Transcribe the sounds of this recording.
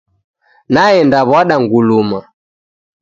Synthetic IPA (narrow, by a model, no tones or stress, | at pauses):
naɛndaβwaɗaŋɡuluma